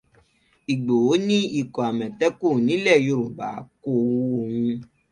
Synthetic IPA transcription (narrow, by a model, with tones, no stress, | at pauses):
i˨ɡ͡bo˨o˨˦nĩ˦i˦˨kɔ˨a˨mɛ̃˨tɛ˦ku˦˨nĩ˨˦lɛ˦˨jo˧˨ɾu˨ba̰˨˦ko˦wu˦o˧hũ˧